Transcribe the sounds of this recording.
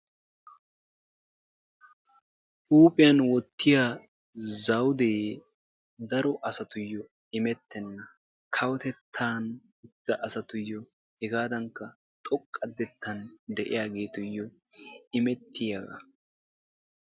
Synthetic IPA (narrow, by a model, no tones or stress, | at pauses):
ʔuːpʼɪjɐnwɔt̪ːɪjaː | zɐwd̪eː | d̪ɐɾɔʔɐsɐt̪ʊjːɔ | ɪmɛt̪ʰːɛnːɐ | kʰɐwɔt̪ɛt̪ʰːaːn | ʊd̪̥ːɐʔɐsɐt̪ʊjːɔ | hɛɡaːd̪ɐŋkːɐ | t̪ʼɔkʼːɐd̪ːɛt̪ːɐnd̪ɛʔɪ̰jaːɡe̞ːt̪ʊjːɔ | ɪmɛt̪ʰːɪjɐɡɐ̰